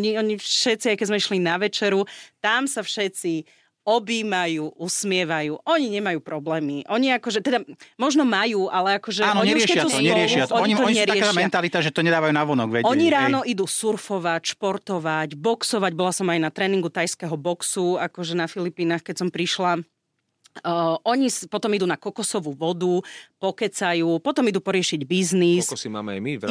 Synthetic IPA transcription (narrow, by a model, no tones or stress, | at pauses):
ɲiɔɲifʃɛt͡siajkɛzmɛiʃlinaʋɛt͡ʃɛɾut̪amsafʃɛt͡si | ɔbiːmajuːʔusmɪɛʋajuːʔɔɲiɲɛmajuːpɾɔblɛːmiʔɔɲiakɔʒɛt̪ɛd̪amɔʒnɔmajuːʔalɛakɔʒɛaːnɲiɛɾɪɛɛɲɛɾɪɛʃɪaɔɔɲt̪ɔsɲɛɾɪaɛʃmɛnt̪alit̪aʒɛt̪ɔɲɛd̪aːʋajuːnaʋɔnɔɡʋɛɔɲiɾaːnɔʔid̪usuɾfɔʋacʃpɔɾt̪ɔʋaɟbɔksɔʋaɟbɔlasɔmajnat̪ɾɛːniŋɡut̪ajskɛɦɔbɔksuakɔʒɛnafilipiːnaːxkɛcsɔmpɾiʃla | ʔɔɲispɔt̪ɔmid̪unakɔkɔsɔʋuːʋɔd̪upɔkɛt͡sajuːpɔt̪ɔmid̪uːpɔɾɪɛʃiɟbiznisssima̰ːmɛa̰jmi